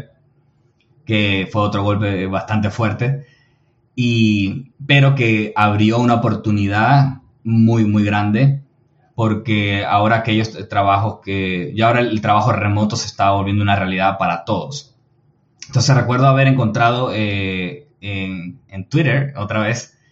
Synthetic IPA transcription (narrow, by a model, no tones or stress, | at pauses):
kefwe̞o̞t̪ɾo̞ɣo̞lpe̞βast̪ant̪e̞fwe̞ɾt̪e̞ | i | pe̞ɾo̞ke̞aβɾjo̞unaopo̞ɾt̪uniðað | mujmujɣɾand̪e̞ | po̞ɾke̞a̰o̞ɾaːke̞ʝost̪ɾaβaxo̞ske̞ʝoaoɾaelt̪ɾaβaxo̞re̞mo̞t̪o̞se̞st̪aβaβolβje̞nd̪unarealiðaðpaɾat̪o̞ðo̞s | ent̪o̞ns̬esre̞kwe̞ɾðoaβe̞ɾe̞ŋko̞nt̪ɾað̞o̞e | eŋent̪wiɾeɾo̞t̪ɾaβe̞s